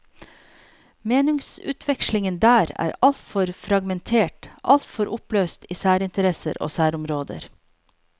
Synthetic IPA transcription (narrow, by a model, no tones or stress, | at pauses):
meːnɪŋsʉ̰ːt̪ʰʋɛkʃlɪŋənd̪æːɾæ̰ːɾɑlt̪fɔɾfɾɑɡmɛnt̪ʰeːʈʔɑ̰lt̪fɔɾʔʊpløːst̪iːsæːɾɪnt̪əɾɛsə̰ɾo̰ːsæːɾʊmɾoːd̪ə̰ɾ